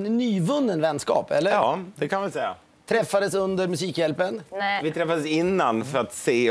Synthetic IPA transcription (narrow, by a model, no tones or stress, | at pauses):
nnyːvɵnːənvɛnːskɑ̰ːpɛlːəɾːd̪ɛkʰanɪʋɛlsɛjːa̰ | t̪ʰɾɛfːad̪əsɵnd̪əɾmɵsiːkjɛlpənvɪt̪ʰɾɛfːad̪əsɪnːanfœɾat̪seː